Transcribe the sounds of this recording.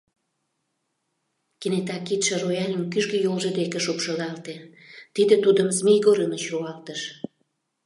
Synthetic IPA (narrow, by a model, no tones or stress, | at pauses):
kenet̪ɑkːit̪ʃĕrojɑlʲimkyʒɡĕjolʒə̆d̪ekeʃupʃɤlɑlt̪e | t̪id̪et̪ud̪əmsmijɣoɾənət͡ɕruɑlt̪əʃ